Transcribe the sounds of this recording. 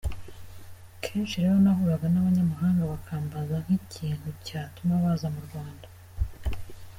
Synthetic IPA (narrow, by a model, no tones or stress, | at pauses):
kʰe̞ːnʃiɾe̞ːɾo̞nahuːɾaɡanaβaɲamaɦaːŋɡaβakʰaːmbazaŋ̥hiciːn̥hucaːtumaβazamuɾɡwaːnda